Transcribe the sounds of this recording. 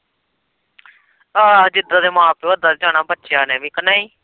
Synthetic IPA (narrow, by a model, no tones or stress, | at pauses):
aːd͡ʒɪd̪aːd̪eːmãːpeəd̪aːd̪eːd͡ʒãːnaːbətːʃjaːnẽːmĩːkənːãːiː